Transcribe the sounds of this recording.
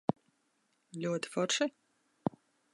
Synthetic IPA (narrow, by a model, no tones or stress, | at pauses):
lʲuɔt̪i̥fɔɾʃi